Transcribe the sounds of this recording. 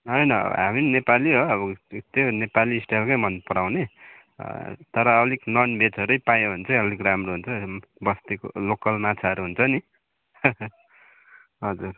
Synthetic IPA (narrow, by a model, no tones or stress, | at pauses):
ɦʌjnʌ̰ɦaminnepaliɦoʌbʌt̪onepaliːsʈelkʌjmʌnpʌɾawnḛ | t̪ʌɾʌːliknʌnbʱet͡sʌɾʌjpajoɦunt͡sʰʌʌlikramroɦunt͡sʰʌ | bʌst̪ekolokʌlmat͡sʰaɦʌɾuɦunt͡sʰʌni | ɦʌd͡zur